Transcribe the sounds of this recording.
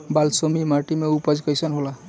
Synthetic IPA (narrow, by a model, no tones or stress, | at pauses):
balsomimaʈimeupəd͡ʒkəjsənɦola